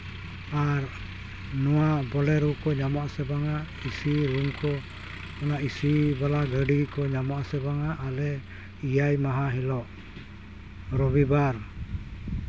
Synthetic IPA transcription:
aɾ | nuabɔlɛɾukɔɲamɔasɛbaŋa | isiɾuŋkɔ | ɔnaisibalaɡəɖikɔɲamɔasɛbaŋaʔːlɛ | ijajmaɦaɦilɔʔ | ɾɔβibaɾ

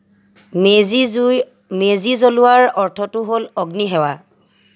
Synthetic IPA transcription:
j | mezizolʊwaɹɔɹtʰɔtʊɦolɔɡniɦɛwa

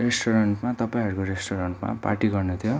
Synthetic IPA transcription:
resʈʰoɾʌɳʈmat̪ʌpaĩɦʌɾukoɾesʈoɾʌɳʈma̰pa̰ʈiɡʌrnut̪ʰjo

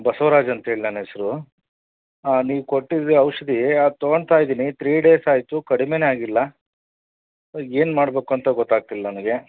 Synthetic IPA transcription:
bɐsɐʋɾaːd͡ʒɐnt̪ɐɦeːɭinanɦesɐɾu | niːʋkoʈːid̪ɐwʂɐd̪iat̪ɔɡoɳɖt̪aːjd̪iːnit̪ʰɾiːɽe̞ːsaːjt̪ukɐɽimeneaːɡilːɐ | e̞ːnmaːɽbe̞ːkuɐnt̪ɐɡɔt̪ːaːɡ̚t̪ilːɐnɐmɐɡe̞

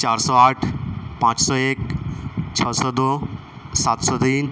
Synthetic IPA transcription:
t͡ɕaɾsɔaʈʰpãt͡ɕsɔekt͡ɕʰəsɔd̪o | sat̪sɔt̪iːn

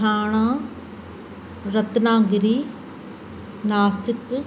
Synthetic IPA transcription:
aːɽ̃ãː | ɾɐt̪nãːɡɾiː | naːsɪk

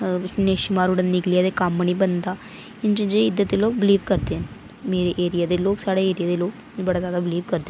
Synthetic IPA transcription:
neːʃɪmaːɾuːɽənnɪkliaːd̪eːkamːəniːbənd̪aː | ɪnd͡ʒənd͡ʒeɪd̪ːət̪d̪eːloːɡ̚bɪliːʋkəɾd̪eːɦən | meːɾeʔeːɾɪjaːd̪eːloːksaːɽeeːɾɪjaːd̪eːloːk | bəɽaːzjaːd̪aːbɪliːʋkəɾd̪eː

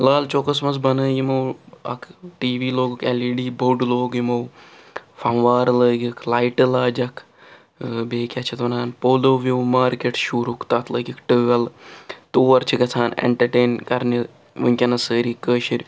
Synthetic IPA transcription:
laːlt͡ʃokɐsmɐsbɐnəːjimɐwɐ̰kʰʈiːʋiːloːɡukeliɖiːboɖloːɡjimɐw | fɐmʋaːɾləːɡʲikʰlaːjʈɨlaːd͡ʒɐkʰ | beːkʲɐt͡ʃʰit̪ʋɐnaːnpoːloːʋiwmaːɾkʲeʈʃuːɾukt̪ɐt̪ʰləːɡʲikʈɨːɡɐlt̪oːɐɾt͡ʃʰikɐt͡sʰaːnḛɳʈɐɾʈeːnkɐɾni | ʋɨnʲkʲɐnɐsəːɾikəːʃiɾʲ

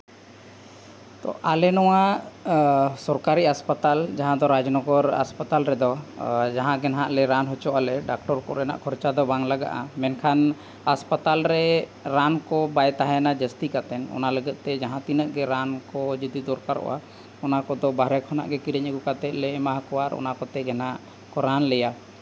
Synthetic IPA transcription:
t̪ɔ̰ʔalɛnɔwa | sɔɾkaɾiɦaspat̪ald͡ʒaɦãd̪ɔɾad͡ʒnɔɡɔɾa̰spat̪alɾɛd̪ɔd͡ʒaɦãɡɛnɦaʔlɛɾanɦɔt͡ʃɔʔalɛɖak̚ʈɔɾkɔ̰ɾɛna̰ʔkʰɔɾt͡ʃad̪ɔbaŋlaɡa̰ʔa̰mɛnkʰan | haspat̪alɾɛɾankɔbajt̪aɦajanad͡ʒəst̪ikat̪ɛnɔ̰naləɡət̪̚ˀt̪ɛd͡ʒaɦãt̪inəʔɡɛɾankɔd͡ʒid̪id̪ɔɾkaɾɔ̰ʔa̰ | ɔnakɔd̪ɔbaɾɛkʰɔna̰ʔɡɛkiɾɛɲəɡukat̪ɛʔ̪̚lɛmaɦakɔwaɾɔ̰nakɔt̪ɛɡɛnɦaʔ | kɔɾanlɛja

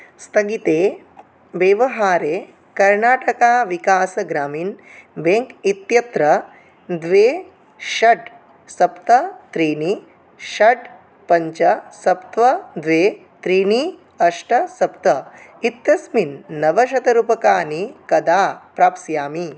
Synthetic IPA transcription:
st̪ɐɡit̪eː | ʋeʋɐɦaːɾeː | kɐɾnaːʈɐkaːʋikaːsɐɡɾaːmiːnbeŋkit̪jɐt̪ɾɐ | d̪ʋeː | ʃɐɖ | sɐpt̪ɐt̪ɾiːni | ʃɐʈ | pɐɲt͡ʃɐsɐpt̪ʋɐd̪ʋeː | t̪ɾiːni | ɐʂʈɐsɐp̚t̪ɐit̪jɐsminːɐʋɐʃɐt̪ɐɾupɐkaːnikɐd̪aːpɾaːpsjaːmi

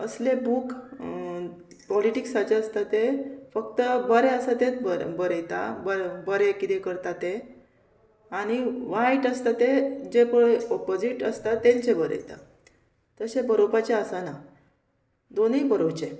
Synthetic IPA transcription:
əslebuːk | pɔliʈiksat͡ɕeəst̪at̪efəkt̪əbəɾẽəsat̪ẽt͡sbəbəɾəjt̪a̰bəbəɾekit̪ekəɾt̪at̪e | aɽ̃iʋaiʈəst̪at̪ed͡ʑepəɽɔpod͡ziʈəst̪at̪ːẽɲt͡ɕebəɾə̰jt̪a̰ | t̪əsebəɾobat͡ɕeəsana | d̪onibəɾowt͡ɕe

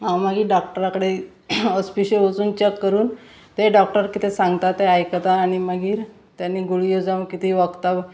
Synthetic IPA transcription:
ɦãwməɡiːɖɔk̚ʈəɾakəɽe | ɔspiɕəʋət͡suːnt͡ɕekːəɾuːn | t̪eɖɔk̚ʈəɾkit̪ʰesãŋɡt̪at̪eajkət̪aːɽ̃iməɡiːɾ | t̪janːiːɡuɭijod͡zaʋ̃nkit̪iʋəɡt̪aʋ

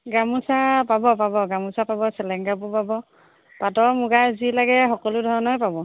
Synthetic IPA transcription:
ɡamusapabɔpabɔɡamusapabɔsɛlɛŋɡap̬upabɔ | patɔmuɡazilaɡɛxɔkɔlʊdʱɔɹɔnɔjpabɔ

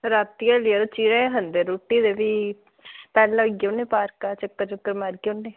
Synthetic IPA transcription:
ɾat̪ːijaliad̪t͡ʃiːɾẽɦənd̪eɾoːʈːiːd̪eːʋiː | pɛːlːãɡõneːpaːɾkaːt͡ʃəkːəɾt͡ʃəkːəɾmaɾɡõnːeː

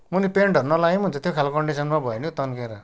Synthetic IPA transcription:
munipeɳɖʌɾunʌlaɡimɦunt͡sʰʌ̃t̪ʰjokʰalkʌɳɖisʌnmabʱʌenjot̪ʌnkeɾʌ

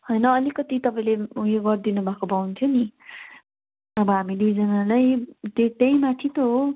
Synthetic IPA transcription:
hojnʌʌlikʌt̪it̪ʌpaĩlejoɡʌrd̪inubʱakobawnt̪ʰjoni | ʌbʌɦamid̪ujd͡zʌnalajd̪ed̪ʌjmat̪ʰit̪oɦo

